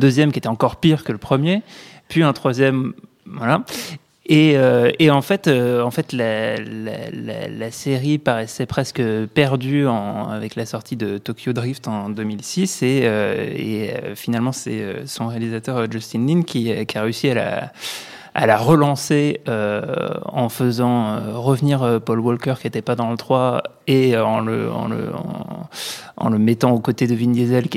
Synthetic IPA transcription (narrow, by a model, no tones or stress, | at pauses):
d̪øzjɛmkʲiet̪ɛɑ̃kɔʁpiʁkələpχəmje | pɥiɛ̃t̪χwazjɛm | vala | eøeɑ̃fɛt̪øɑ̃fɛt̪lala̰la̰laseʁipaʁɛsɛpχɛskəpɛʁd̪yɑ̃a̰vɛklasɔʁt̪ʰid̪ət̪ɔkʲʰjod̪ʁift̪ɑ̃d̪ømilsiseøḛøfinalmɑ̃sɛ̰ø̰sɔ̃ʁealizat̪œʁøʒɔst̪inlinkʲʰikʲiaʁeysiala̰ | a̰laʁəlɑ̃seø | ɑ̃fəzɑ̃øʁəvniʁøpɔlwɔlkœʁkʲiet̪ɛpad̪ɑ̃lət̪χwa | eøɑ̃lə̰ɑ̰̃lə̰ɑ̰̃ | ɑ̰̃ləmɛt̪ɑ̃okot̪ed̪əvindezɛl